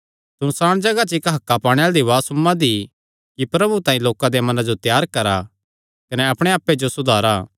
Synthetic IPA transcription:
sʊnsaːɽ̃d͡ʒɐɡat͡ʃɪkɦɐkːapaːɽ̃eald̪iʋaːsʊmːãd̪i | kipɾɐbut̪ãːĩloːkãd̪emɐnãd͡ʒot̪jaːɾkɐɾa | kɐnɛɐpɽ̃eaːpːed͡ʒosʊd̪ʱaːɾaː

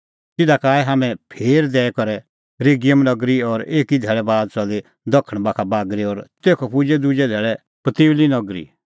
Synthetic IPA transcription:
t̪ɪd̪akaːɛɦaːmɛ̃pʰeːɾd̪ɛːɛkɔɾɛ | ɾeɡɪjəmnɐɡɾiɔɾeːkid̪ʱɛːɭɛbaːd̪̚t͡ʃɐle | d̪ɐkʰːəɽ̃bakʰabaːɡɾiɔɾt̪eːkʰopʊd͡ʒɛd̪ʊd͡ʒɛd̪ʱɛːɭɛ | pɐt̪ɪːʋlinɐɡɾḭ

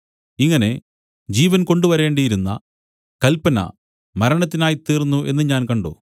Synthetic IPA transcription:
iŋːɐne̞ | d͡ʑiːʋɐnko̞ɳɖuʋɐɾe̞ːɳɖɐjiɾunːɐ̰ | kɐlpɐnɐ̰ | mɐɾɐɳɐt̪̬ːinaːjit̪ːiːrnːuʔe̞̰nːɨɲaːnkɐɳɖo̰

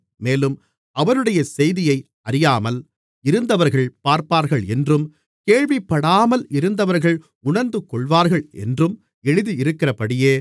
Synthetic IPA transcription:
meːlɯm | ɐʋɐɾɯɽɐjɐsɛjðɪjɐɪ | ɐɾɪjaːmɐl | ɪɾɯnd̪ɐʋɐɾɣɐɭpaːɾpaːɾɣɐɭɛndrɯm | keːɻʋɪpːɐɽaːmɐlɪɾɯnd̪ɐʋɐɾɣɐɭ | ʊɳɐɾnd̪ɯkːɔɭʋaːɾɣɐɭɛ̰ndrɯm | ɛɻɯðiɪɾɯkːɪrɐpɐɽɪjeː

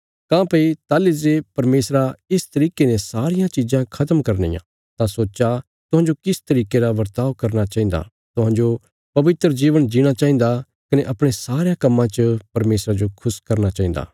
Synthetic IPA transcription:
kãːpɐit̪aːlɪzepɐɾmeːsɾaɪst̪ɐɾiːkenẽsaːɾɪjãt͡ʃid͡ʒãkʰɐt̪əmkɐɾnḭːjã̰ | t̪ãsoːt͡ʃa | t̪ʊɦãːɲd͡ʒokɪst̪ɐɾiːkeɾaʋɐɾt̪aːʋkɐɾñat͡ʃaːɦĩːnd̪a̰ | t̪ʊɦãːɲd͡ʒo | pɐʋɪt̪ɾəd͡ʒiːʋəɽ̃d͡ʒiɽ̃at͡ʃaːɦĩn̆d̪a | kɐneʔɐpɽ̃esaːɾejãkɐmːãt͡ʃəpɐɾmeːsɾad͡ʒokʰʊskɐɾnat͡ʃaːɦĩnd̪a̰ː

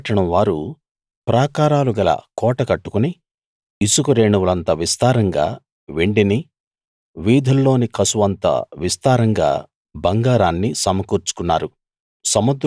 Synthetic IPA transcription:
ʈɐɳɐmʋaːɾu | pɾaːkaːɾaːluɡɐlɐ̰kɔːʈɐkɐʈːu̥kuni | isukuɾeːɳuʋulɐnt̪ɐʋist̪aːɾɐŋɡa̰ː | ʋeɳɖini | ʋiːd̪ʱɐlːo̞ːnikɐsuʋɐnt̪ɐ̰ʋist̪aːɾɐŋɡa̰ː | bɐŋɡaːɾaːnːisɐmɐkuːɾt͡ʃu̥kunːaːɾu | sɐmud̪

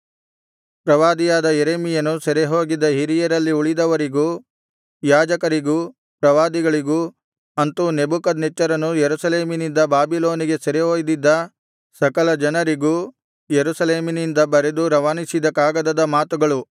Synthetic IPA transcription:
pɾɐʋaːd̪ijaːd̪ɐjeɾemijɐnusɐɾeɦoːɡid̪ːɐɦiɾijɐɾɐlːiuɭid̪ɐʋɐɾiɡu | jaːd͡ʒɐkɐɾiɡuː | pɾɐʋaːd̪iɡɐɭiɡu | ɐnt̪unebukɐd̪nɛt͡ʃːɐɾɐnujeɾusɐle̞ːminind̪ɐbaːbiloːniɡe̞sɐɾeɦoːjd̪id̪ːɐ | sɐkɐlɐd͡ʒɐnɐɾiɡuː | jeɾusɐleːminind̪ɐbɐɾe̞d̪uɾɐʋanisid̪ɐkaːɡɐd̪ɐd̪ɐmaːt̪uɡɐɭu

